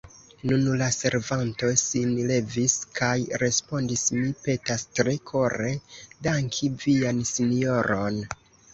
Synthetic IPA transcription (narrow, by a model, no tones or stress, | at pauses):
nunlase̞ɾvanto̞sinle̞viskajɾe̞spo̞ndismipe̞tastɾe̞kʰo̞ɾe̞daŋkʰiviansinio̞ɾo̞n